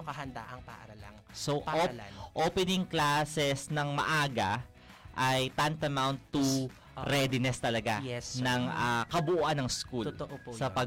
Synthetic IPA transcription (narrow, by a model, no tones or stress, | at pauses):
kɐhɐnd̪aʔɐŋpa̰ʔaɾalaŋso | ʔoːpɛnɪŋklasɛsnɐŋmɐ̰ʔaːɡɐ | ʔɐjt̪ant̪ɐmawnt̪ːu | ɾɛd̪ɪnɛst̪ɐlɐɡaɛsnɐŋakɐbʊʔuʔɐnɐŋskulʔsɐpɐ